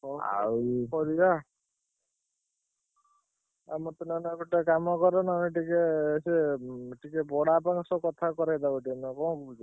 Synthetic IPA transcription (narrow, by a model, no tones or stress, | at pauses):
ɔa̰pɔɾia | a̰mɔt̪ɔnanakuʈekamɔkɔɾɔnaneʈikeseʈikebɔɽapaŋsɔkɔt̪ʰakɔɾajd̪akɔʈanɔkɔkud͡ʒ̪